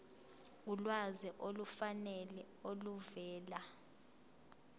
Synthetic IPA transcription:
ulwazɛʔolufanɛlɛ | oluvɛːla

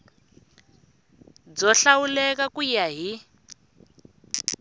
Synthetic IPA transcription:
d͡zɔɬawulɛkakujaɦi

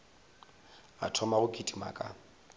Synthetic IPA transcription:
a̰tʰɔmaɣʊkʼitʼima̰kʼa

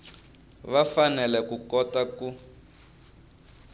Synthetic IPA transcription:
βafanɛlɛkukɔtaku

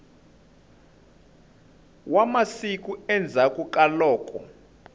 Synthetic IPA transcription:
wamasik̬ʼuɛnd͡zʱakʼukʼalɔːkʼɔ

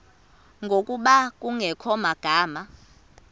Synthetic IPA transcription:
ŋɡʱokʼuɓak̬ʼuŋʱɛkʰɔmaɡ̥ʱaːma

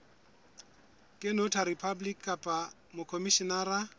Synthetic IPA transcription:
kʼɪnʊtʰaɾipʰablikːapʼa | mʊkʰomiʃinara

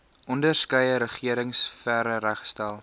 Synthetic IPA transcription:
ʔɔndərskəjəɾəχiəɾəŋsfæɾəɾæχstælˠ

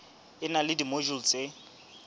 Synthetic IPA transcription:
ɪnalɪdimoʒul̩t͡sʼɪ

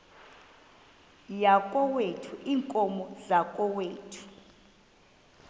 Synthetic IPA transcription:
jakʼɔwetʰuʔiːŋkʼɔmɔzakʼɔweːtʰu̥

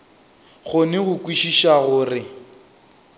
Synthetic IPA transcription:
ɣʊnɪɣʊkʼwiʃiʃaɣʊːrɪ

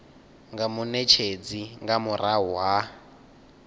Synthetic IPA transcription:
ŋɡamunɛt͡ʃʰed͡ziŋɡamuɾaɦwa

